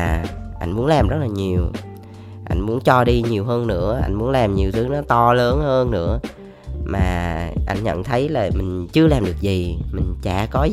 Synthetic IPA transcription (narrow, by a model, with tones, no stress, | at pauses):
ʔa˧jŋ̟mu˨˦ənlaː˨˩mzə˦˥laː˨˩ɲi˨˩əw | ʔa̰˧jŋ̟mu˨˦ənt͡ɕɔ˧ɗi˧ɲi˨˩əwɦəː˧nːɨ̰˧˥əʔa̰˧jŋ̟mu˨˦ənlaː˨˩mɲi˨˩əwt̪ʰɨ˨˦nɔ˨˦t̪ɔ˧ləː˨˦nhəː˧nːɨ̰˧˥ə | maː˨˩ʔa˧jŋ̟ɲə̰˧˨nt̪ʰə˨˦jlaː˨˩mï˨˩ŋ̟t͡ɕɨ˧əlaː˨˩mɗɨ˨˩ək̚zi˨˩mï˨˩ŋ̟t͡ɕa̰ː˧˩kɔ˨˦